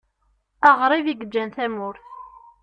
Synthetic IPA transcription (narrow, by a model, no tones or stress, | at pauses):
ɑʁɾˤiviɡəd͡ʒːænθæmʊɾθ